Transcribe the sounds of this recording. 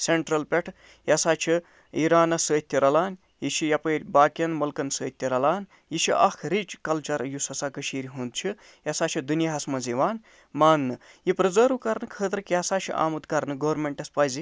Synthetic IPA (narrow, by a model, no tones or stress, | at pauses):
seɳʈɾɐlpʲeʈʰ | jɐsaːt͡ʃʰi | iːɾaːnɐsəːt̪ʲːiɾɐlaːn | jit͡ʃʰijɐpɐːɾʲbaːkɐnmɐlkɐnsəːt̪ʲːiɾɐlaːn | jit͡ʃʰiʔɐ̰kʰɾit͡ʃkɐlt͡ʃɐɾjusɐsaːkəʃiːɾiɦund̪t͡ʃʰi | jɐsaːt͡ʃʰid̪unjaɦɐsmɐnziʋaːn | maːnːɨjipɾɨzəːɾukɐɾnɨkʰəːt̪ɾɨkjɐsaːt͡ʃʰḭʔa̰ːmut̪kɐɾnɨɡoːɾmeɳʈɐspɐːzi